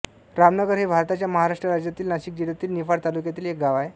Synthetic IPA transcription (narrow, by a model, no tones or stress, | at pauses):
ɾamnəɡəɾɦebʱaɾt̪at͡ɕjaməɦaɾaʂʈɾəɾad͡ʑjat̪iːlnaɕiːk̚d͡ʑiɽat̪iːlnifaɽt̪alukjat̪iːlek̚ɡaʋaje